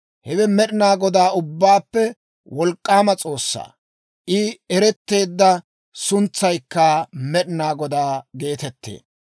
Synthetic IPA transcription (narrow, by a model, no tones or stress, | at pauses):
hɛwɛmɛɗɪnaːɡɔd̪aːʊbːaːpːɛ | wɔlkʼːaːmɐt͡sʼo̞ːsːa̰ː | ʔɪɛɾɛt̪ːe̞ːd̪ːɐ | sʊnt͡sːɐjkːɐmɛɗɪnaːɡɔd̪aːɡe̞ːt̪ɛt̪ːḛː